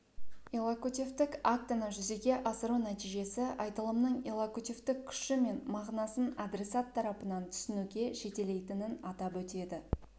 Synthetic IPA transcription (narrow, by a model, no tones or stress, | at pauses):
elˠakut̪ʲift̪ɪkak̚t̪anəʒʏze̞ɡʲe̞ʔɑsəɾunæt̪ijʒe̞sɪʔɑjt̪əlˠəmnəɴelˠakut̪ʲift̪ɪkʲʰʏ̥ʃɪme̞nmɑʁnɑsənad̪ɾe̞sɑt̪ʰːɑɾɑpənɑnt̪ʰʏ̥sɪnuɡʲe̞ʒe̞t̪e̞le̞jt̪ɪnɪnɑt̪ɑpwɵt̪e̞d̪ɪ